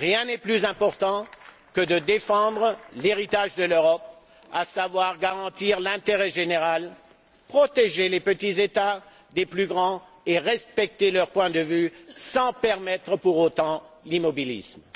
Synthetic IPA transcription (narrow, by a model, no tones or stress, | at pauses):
ʁjɛ̃nɛplyzɛ̃pɔʁt̪ɑ̃ | kəd̪əd̪efɑ̃d̪ʁəleʁit̪aʒd̪əløʁɔp̚ | asavwaʁɡaʁɑ̃t̪iʁlɛ̃t̪eʁɛʒeneʁal | pχɔt̪eʒelepət̪izet̪a | d̪eplyɡʁɑ̃ | eʁɛspɛk̚t̪elœʁpwɛ̃d̪əvysɑ̃pɛʁmɛt̪χəpuʁot̪ɑ̃limɔbilḭsm